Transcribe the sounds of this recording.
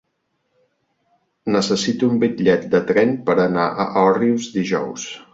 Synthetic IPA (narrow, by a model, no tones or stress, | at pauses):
nəsəsit̪uumbiʎɛt̪̚d̪ət̪ɾɛnpəɾənaʔə̰ʔɔriuzd̪iʒɔ̰ws